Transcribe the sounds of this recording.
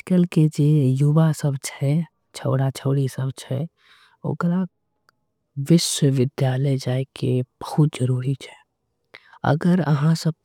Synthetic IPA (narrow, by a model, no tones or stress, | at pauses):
kəlked͡ʒejubasəbt͡ʃʰɛ | t͡ʃʰəʊɽat͡ʃʰəʊɽisəbt͡ʃʰɛ | o̰ɡəɾa | ʋɪswəʋɪd̪jaːləjd͡ʒaːekʰeb̥əhʊt̪̚d͡ʒəɾuːɾit͡ʃʰɛ̥ | ə̰ɡəɾə̰ɦãsəb̚